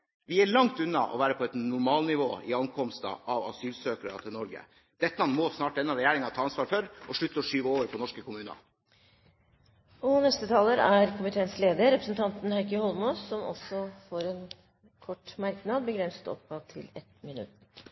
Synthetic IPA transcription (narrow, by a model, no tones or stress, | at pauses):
ʋɪæɭɑŋt̪ʉnːɑ̰ʔɔ̰ʋæːɾəpʰɔɛt̪nʊɾmɑːlnɪʋo̰ːɪɑnkʰɔmst̪ə̰ʔɑʋɑsyːlsøːkəɾɑ̰t̪ʰɪlnɔɾɡə̰ | d̪̥ɛt̪ːəɑnmɔsnɑːʈɛnːɑɾɛjæːɾɪŋɑt̪ʰɑːɑnsʋɑːɾfœɾʔɔʂɭʉt̪ːəɔʂyːʋəoːʋəɾpʰɔnɔʂkəkʊmʉːnɑ̰ | ɔnɛst̪ət̪ʰɑːləɾæɾkʰʊmɪt̪ʰeːnsleːd̪əɾɾɛpɾəsnt̪ʰɑnt̪n̩hæɪkəhɔlmoːsːɔmɔ̰sɔfoːɾɛn | kʰɔʈːmæɾknɑːd̪̚bəɡɾɛnsə̥t̪ɔ̰p̚ɡɑːʋt̪ʰɪ̰lɛ̰t̪mɪnʉ̰t̪